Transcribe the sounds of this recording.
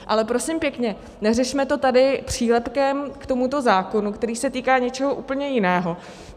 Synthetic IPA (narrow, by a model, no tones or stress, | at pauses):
ʔalɛpɾo̞sɪmpjɛkɲɛ | nɛrɛʃmɛt̪o̞t̪adɪpr̝̥iːlɛpkɛmkt̪o̞mut̪o̞zaːko̞nukt̪ɛɾiːsɛt̪iːkaːɲɛt͡ʃɛɦoʔuːpl̩ɲɛjɪnɛːɦo̞